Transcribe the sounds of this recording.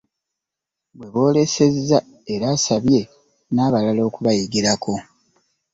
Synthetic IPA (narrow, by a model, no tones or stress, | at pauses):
bwe̞βo̞ːle̞se̞zːa | eɾaːsaβje̞ | naːβalalo̞ːkuβajiɡiɾakʰo̞